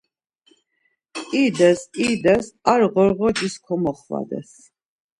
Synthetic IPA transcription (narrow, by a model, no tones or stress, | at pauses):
id̪ɛsid̪ɛsaɾʁɔɾʁɔɡiskʰɔmɔχva̰d̪ɛ̰s